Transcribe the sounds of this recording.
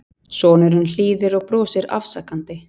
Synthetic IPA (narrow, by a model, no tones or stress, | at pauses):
sɔːnɪɾhʏnl̥iːðɪɾɔɣpɾɔːsɪɾa̰fsakant̪ɪ